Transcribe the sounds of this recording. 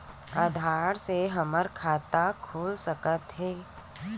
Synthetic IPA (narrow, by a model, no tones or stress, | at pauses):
əd̪ʱaːɾseɦɐməɾkʰaːt̪akʰuːlsəkət̪ɦɛː